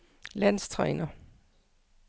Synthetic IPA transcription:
læn̰st͡sʰʁɛ̰ːnɐ

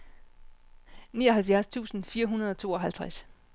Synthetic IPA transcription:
niːɒ̽ɦælfjæɐst͡sʰṵːsn̩fiːɐɦunɐð̞ˠɒ̽t͡sʰo̝̰ːɒ̽ɦælt͡sʰʁas

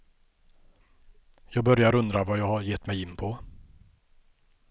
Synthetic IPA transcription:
jɑːɡ̚bœɾjaɾɵnd̪ɾavajɑːɡhaɾjɛt̪ːmɛjɪnːpʰɔ

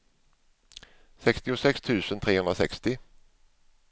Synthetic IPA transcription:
sɛkst̪ɪʊsɛkst̪ʰʉ̟ːsənt̪ʰɾeːhɵnd̪ɾasɛkst̪ɪ

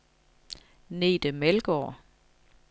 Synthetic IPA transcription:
ne̝̰ːd̥əmelɡ̥ɒ̰ː

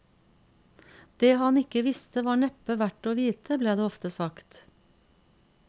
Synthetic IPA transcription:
d̪̥eːhɑnɪkəʋɪst̪əʋɑːɳɛpəʋæʈoːʋiːt̪ʰəbleːd̪eːɔft̪əsɑkt̪

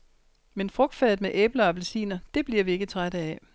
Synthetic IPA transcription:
menfʁɔ̽ɡ̥̚d̥fɛ̰ːð̩ˠmeʔeːb̥lɐɒb̥elsḭːnɐd̥e̝b̥liɐ̰ʋie̝ɡ̥ət͡sʰʁaɾəɛ

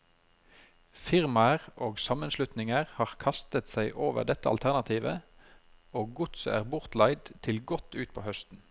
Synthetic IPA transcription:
fɪʁmɑʁoːɡsɑmənslʉt̪nɪŋəʁhɑːʁkʰɑst̪ət̪sæɪʔoːʋə̰ʁɖ̪ɛt̪ːəɑ̰lt̪ʰæʁnɑt̪ʰiːʋə | oːɡʊt̪sə̰æ̰ːʁbʊʁt̪lɑɪd̪t̪ʰɪlɡɔt̪ʰʉːt̪̚pʰoːhœst̪n̩

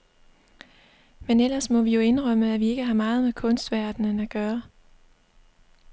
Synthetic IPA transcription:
menel̰ɐsmɒ̽ʋijo̝e̝nʁœməæʋie̝ɡ̥əɦɑ̈mɑ̈ːð̞̩ˠmekʰɔ̽nsd̥ʋæɐd̥nənæɡ̥ɶːɐ

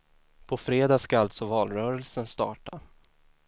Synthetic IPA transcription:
pʰɔfɾeːd̪ɑːskaalt̪sɔvɑːlɾœːɾəlsənst̪ɑ̰ːʈa

